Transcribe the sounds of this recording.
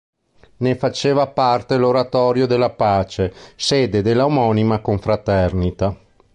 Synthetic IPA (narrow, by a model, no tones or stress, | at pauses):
nefat͡ʃeːvapart̪eloɾat̪ɔːɾjod̪elːapaːt͡ʃeseːd̪ed̪elːaomɔnimakoɱfɾat̪ɛrnit̪a